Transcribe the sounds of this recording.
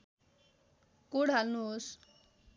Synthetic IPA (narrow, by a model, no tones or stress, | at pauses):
kuɽɦalnuos